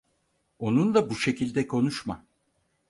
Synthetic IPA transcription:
o̞nund̪abuʃe̞cilʲd̪ɛkʰo̞nuʃma

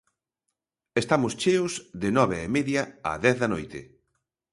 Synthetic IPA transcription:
est̪amʊst͡ʃeʊzðɪnɔβeemeðjɐa̰ðɛθðɐnojt̪ɪ̰

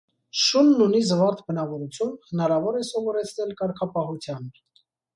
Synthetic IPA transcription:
ʃunːunisvɑɾt̪ʰbənɑvɔɾut͡sʰjunhənɑɾɑvɔɾɛsɔvɔɾɛt͡sʰnɛlkɑɾkʰɑpɑɦut͡sʰjɑn

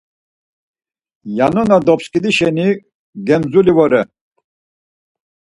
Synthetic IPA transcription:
janɔnad̪ɔpskʼid̪iʃɛni | ɡɛmzulivɔɾɛ

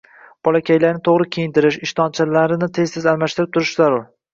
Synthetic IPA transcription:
b̥ɒlakʲʰajlaɾnɪt̪ʰoʁɾɪkʲʰejɪnt̪ʰɪɾɪʃɪʃt̪ʰɒnt͡ʃʰalaɾɪnɪt̪ʰe̞zsɪzalmaʃt̪ɪɾɪp̚t̪ʰʊɾɪʃzaɾʊɾ

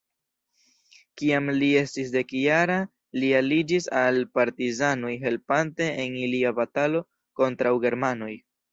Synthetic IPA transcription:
kiamlie̞stisde̞kjaɾa | lialid͡ʒisalpaɾtizano̞jɦe̞lpante̞ːniliabatalo̞ | ko̞ntɾawɡe̞ɾmano̞j

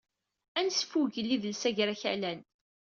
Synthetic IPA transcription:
ænsfuʝəlːiðəlsæʝɾæçæ̰læn

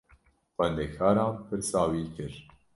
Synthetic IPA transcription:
xʷɛnd̪ekʰɑːɾɑ̃ːmpʰɨɾsɑːwiːkɨɾ

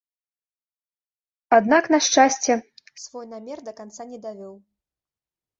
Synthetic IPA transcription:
ad̪naknaʂt͡ʂasʲt͡sʲɛsvɔjnamʲɛrd̪ɐkant̪sanʲɛd̪avʲɔw

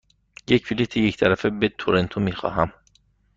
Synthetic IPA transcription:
jecʰfilit̪ʰiject̪ʰæɾæfebet̪ʰoɾent̪ʰomiːxɒ̰ːɦæm

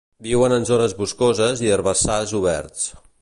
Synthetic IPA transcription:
biwənənzonəzβuskozəziərβəsazuβɛ̰ɾt͡s

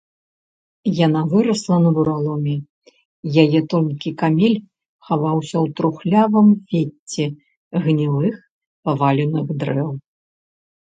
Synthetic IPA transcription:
janavɨɾɐslˠɐnɐbuɾalˠɔmʲi | jajɛt̪ɔlʲkʲikamʲelʲ | xavawsʲɐwt̪ɾuxlʲavɨmfʲet͡sʲːɛ | ɣnʲivɨx | pavalʲɛnɨɣd̪ɾɛw

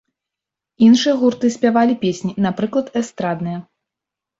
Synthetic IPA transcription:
inʂɨjɐɣurt̪ɨsʲpʲavalʲipʲesʲnʲinapɾɨklˠɐt̪ɛst̪ɾad̪nɨjɐ

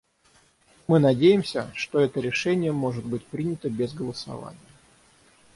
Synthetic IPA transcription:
mɨnɐdʲejɪmsʲə̰ʂt̪oɛt̪əɾʲɪʂɛnʲɪjəmo̞ʐɨd̪̚bɨtʲpɾʲinʲɪt̪əbʲɪzɡəlˠəsɐ̰va̰nʲɪjə

